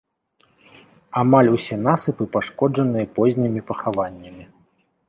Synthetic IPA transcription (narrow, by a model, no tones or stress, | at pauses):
amalʲusʲɛn̪asɨpɨpaʂkɔd͡ʐɐnɨjɐpɔzʲnʲimʲipɐxavanʲːɐmʲi